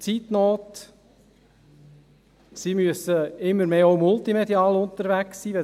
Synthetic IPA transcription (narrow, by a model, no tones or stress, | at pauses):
t͡siːt̪noːt | simyəsəɪmːəɾmeːoʊmʊltimɛd̪iɑːlʊnt̪əɾʋæksːiːʋɛ